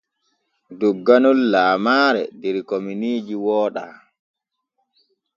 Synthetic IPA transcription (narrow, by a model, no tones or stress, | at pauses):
duɡːanɔlːaːmaːɾɛ̰dɛɾkominiːd͡ʒiwɔːɗa